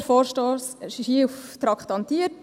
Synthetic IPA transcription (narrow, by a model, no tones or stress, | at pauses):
foːɾʃtoːsʃiʃiːuft̪ɾɑkχt̪ɑnt̪iə